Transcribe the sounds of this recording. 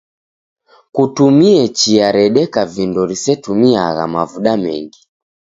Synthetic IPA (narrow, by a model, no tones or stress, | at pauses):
kutumiɛt͡ʃiaɾɛɗɛkavindɔɾisɛtumiaɣa̰mavuɗamɛ̰ŋɡi